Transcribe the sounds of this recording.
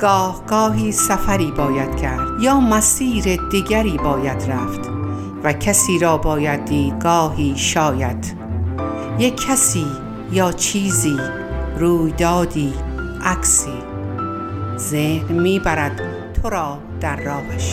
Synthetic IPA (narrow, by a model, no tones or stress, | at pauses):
ɡ̥ɒːhɡ̥ɒːɦiːsæfæɾiːbɒːjæd̪̥cʰæɾd̪̥jɒːmæsiːɾed̪iɡæɾiːbɒːjæd̪ɾæft̪ | væcʰæsiːɾɒːbɒːjæd̪ːiːɡɒːɦiːʃɒːjæd̪̥ | jekʰːæsiː | jɒːt͡ʃʰiːziː | ɾuːjd̪ɒːd̪iːʔæksiː | zehnmiːbæɾæd̪̥ | t̪ʰoɾɒː | d̪̥æɾːɒːvæʃ